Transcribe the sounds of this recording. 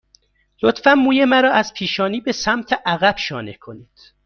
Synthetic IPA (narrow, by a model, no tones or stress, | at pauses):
lot̪fænmuːjemæɾɒːæz̥pʰiːʃɒːniːbesæmt̪ʰeʔæɣæb̥ʃɒːne̞kʰo̞niːd̪̥